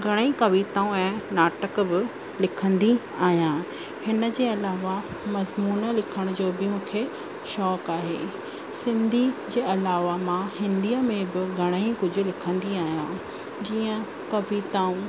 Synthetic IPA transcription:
ɡʱɐɽ̃əikɐʋiːt̪aːũɛ̃ːnaːʈəkbɪ | lɪkʰə̃nd̪i | aːɦijãː | hɪnə̆d͡ʑeːɐlaːʋa | mɐzmuːnə̆lɪkʰəɽ̃d͡ʑoːbɪmũːkʰe | ʃɔːkaːɦḛː | sɪ̃nd̪ʱid͡ʑeːɐlaːʋamãhɪ̃nd̪iəmẽbɪɡʱɐɽ̃əikʊd͡ʑʱʊ̆lɪkʰə̃nd̪iaːɦijãː | d͡ʑiːə̃ | kɐʋiːt̪aːũ

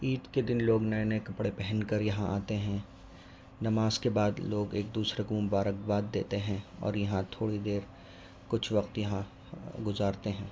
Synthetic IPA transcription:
iːd̪ked̪ɪnloːɡnɐenekɐpɽepɛɦənkɐɾjɐɦãʔa̰ːt̪eɦɛ̃ | nɐmaːzkebaːd̪loːɡeːk̚d̪uːsɾekomʊbaːɾək̚baːd̪ːḛːt̪eɦɛ̃ɔ̰ːɾjɐɦãt̪ʰoːɽid̪eːɾ | kʊt͡ʃʰʋɐqt̪jɐɦã | ɡʊzaːɾt̪eɦɛ̃ː

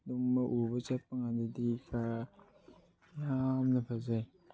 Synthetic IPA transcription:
duŋmaʔubat͡ʃapːaŋadidikʰa | jamnapʰazaj

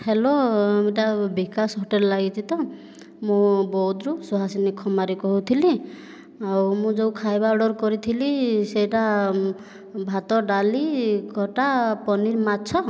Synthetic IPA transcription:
helɔmiʈabikasɦɔʈelɔlaɡit̪ʰit̪ɔ | mũbɔd̪ɾusuɦasinikʰːɔmaɾikɔɦut̪ʰili | awmũd͡ʒewkʰajbaɔɽɔɾkɔɾit̪ʰiliseʈa | bʱat̪ɔɖaliɡʱɔʈapɔniɾmat͡ʃʰɔ

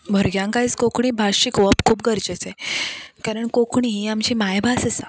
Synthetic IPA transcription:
bʱəɾɡjãŋkait͡skokɳ̃iːbʱaɕikʋəpkʰuːp̚ɡəɾt͡ɕet͡sekaɾəɳkokʰɳiɦiamt͡ɕiːmajbʱasəsa

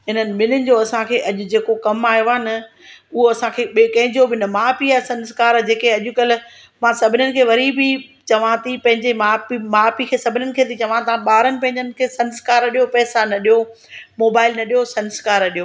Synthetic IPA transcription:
ɦɪnənɪ̆mɪlɪnɪ̆d͡ʑoːɐsãkʰeːʔɐʄʊd͡ʑeːkokɐmaːjoanɐ | ʊɦoɐsãkʰeːɓkɐ̃ɦɪ̃ɲd͡ʑobɪnɐmaːpiasɐ̃nskaːɾd͡ʑeːkeɐʄʊ̆kɐlɪ̆ | mãːsɐbʱɪnənɪ̆kʰeːʋɐɾibɪt͡ɕɐʋ̤ãt̪ʰipɐ̃ɦɪ̃ɲd͡ʑemaːpimaːpikʰeːsɐbʱɪnənɪ̆kʰeːt̪ʰit͡ɕɐʋãt̪ɐãɓaːɾənɪ̆p̬ɐ̃ɦɪ̃ɲd͡ʑənɪ̆kʰeːsɐ̃nskaːɾɐɗijopɛːsanɐɗijo | moːbaːɪlnɐɗijosɐ̃nskaːɾɐɗijoː

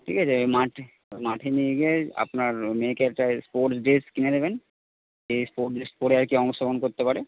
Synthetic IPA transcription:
ʈʰikat͡ɕʰemaʈʰe | maʈʰenieɡiea̰pnaɾmekeɛk̚ʈaspoɾʈsɖeskined̪eben | espoɾʈɖespɔɾeaɾkiɔŋʃobonkoɾt̪epaɾe

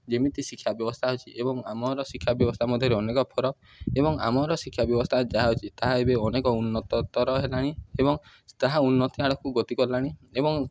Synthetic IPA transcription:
d͡ʒemit̪isikʰːjabjɔbɔst̪ʰaɦot͡ʃʰiʔebɔŋamɔɾɔsikʰːjabjɔbɔst̪ʰamɔd̪ʱjɔɾeɔnekɔpʰɔɾɔk | ebɔŋa̰mɔɾɔsikʰːjabjɔbɔst̪ʰad͡ʒaɦaɦot͡ʃʰit̪aɦaebeɔnekɔunːɔt̪ɔt̪ɔɾɔɦelaɽ̃iebɔŋ | t̪aɦaunːɔt̪iɦaɽɔkuɡot̪ikɔlaɽ̃iebɔŋ

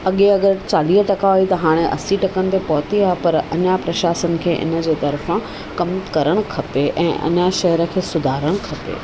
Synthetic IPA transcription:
ɐɠeɐɠəɾt͡ɕaːliːɦʈɐkaɦoit̪ɐɦaːɽ̃eʔɐ̰siʈɐkənɪ̆t̪epɔːɦt̪iaːɦepɐɾɐ̰ɲapɾɐʃaːsənɪ̆kʰeːʔɪ̰nə̆d͡ʑeːt̪ɐɾfã | kɐmkɐɾəɽ̃kʰɐpeʔɛ̰̃ːʔɐ̰ɲaʃɐɦəɾə̆kʰeːsʊd̪ʱaːɾəɽ̃kʰɐpḛː

